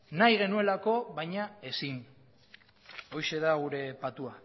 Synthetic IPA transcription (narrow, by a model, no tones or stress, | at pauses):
najɣe̞nue̞lako̞βajɲae̞sin | o̞jʃe̞ðaɣuɾe̞pat̪ua